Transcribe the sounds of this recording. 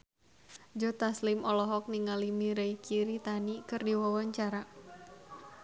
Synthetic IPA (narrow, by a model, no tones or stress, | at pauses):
d͡ʒɔt̪aslimɔlɔɦɔk̚niŋalimiɾeikʰiɾit̪anikɨrdiwawaɲt͡ʃaɾa